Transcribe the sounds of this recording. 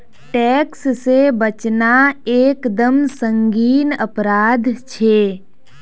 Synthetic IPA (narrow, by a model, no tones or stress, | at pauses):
ʈɛːkssebət͡ʃnaeːkd̪əmsə̃ŋɡiːnəpɾaːd̪ʱt͡ʃʰe